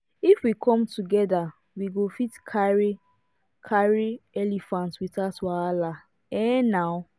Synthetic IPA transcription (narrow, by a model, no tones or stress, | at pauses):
ifwikʰɔ̃mtuɡɛda | wiɡofitkʰaɹi | kʰaɹiɛlifãntwitaswala | ɛnaʊ